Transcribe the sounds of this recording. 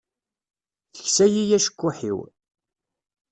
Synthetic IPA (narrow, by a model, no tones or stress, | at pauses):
θəçsæjijæʃə̥kʷːʊħḭw